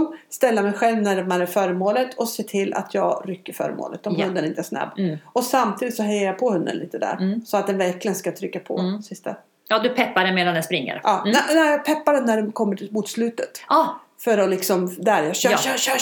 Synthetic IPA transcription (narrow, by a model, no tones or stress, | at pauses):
mst̪ɛlːamɛjɧɛlvnæɖɛmæɾæɾfœːɾəmoːlət̪ʰɔseːt̪ʰɪlːʔa̰t̪ʰjɑːɡɾʏkːəɾfœ̰ːɾə̰mo̰ːlə̰t̪ɔmɵnd̪ənɪnt̪əæsna̰bɔsamt̪ʰiːd̪ɪt̪sɔɦɛjːəɾjapʰɔhɵnd̪ə̰nlḭːt̪əd̪æ̰ɾsɔat̪̚d̪ɛnvæɾklɪɡənskat̪ʰɾʏkːapʰɔ̰sɪst̪a̰ | ɑːd̪ɵpʰɛpːaɖɛnmeːd̪anɛspɾɪŋːə̰ɾɑːnɛnæjɑːɡpʰɛpːaɖɛnnæɖɛnkʰɔmːəʈʰɪlmuːt̪slʉ̟ːt̪ət̪ː | fœɾɔlɪksɔmd̪æɾjɑɕœ